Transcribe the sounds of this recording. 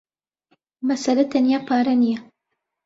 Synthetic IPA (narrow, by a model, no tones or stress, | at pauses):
mɐsɐlɐt̪ʰɐnijaːpʰaːɾɐnijɐ